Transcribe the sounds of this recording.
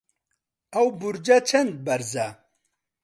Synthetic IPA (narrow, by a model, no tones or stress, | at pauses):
ɐwbuɾd͡ʒat͡ʃʰɐnd̪̚bɐɾza